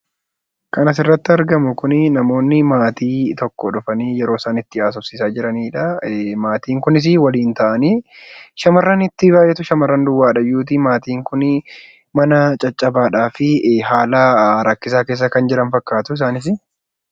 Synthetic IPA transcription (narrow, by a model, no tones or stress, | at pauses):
kɐnɐs̬ɪrːɐt̪ːɪɐɾɡɐmʊkʊnnɐmo̞ːnːɪmaːt̪iːt̪ɔkːɔᶑʊfɐniːjɛɾo̞ːɪsaːnɪt̪ːɪaːs̬ʊfsɪsaːd͡ʒɪɾɐniːᶑɐmaːt̪iːŋkʊnɪs̬ɪwɐliːnt̪ɐʔɐniːʃɐmɐrːɐnɪt̪ːɪbaːjːʔɛt̪ʊʃɐmɐrːɐnd̪ʊwːaːᶑɐjuːt̪̬iːmaːt̪iːŋkʊn | mɐnɐt͡ʃʼɐt͡ʃʼːɐbaːᶑaːfɪɦaːlɐɾɐkːɪs̬aːkeːs̬ːɐkɐnd͡ʒɪɾɐnfɐkːaːt̪ʊɪs̬aːnɪs̬ɪ